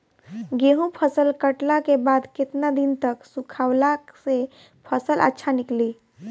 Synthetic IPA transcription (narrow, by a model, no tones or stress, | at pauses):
ɡeɦũpʰəsəlkəʈlakebad̪ket̪nad̪int̪əksukʰawlase | pʰəsəlʔə̰tːʃʰanikli